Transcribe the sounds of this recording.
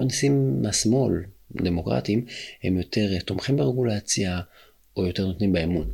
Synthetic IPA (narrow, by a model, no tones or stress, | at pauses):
nisimːasmo̞ld̪emokʁa̰timhemjo̞te̞ʁt̪omχimbeʁeɡulat͡sja | ojo̞te̞ʁnot̪nimbeemun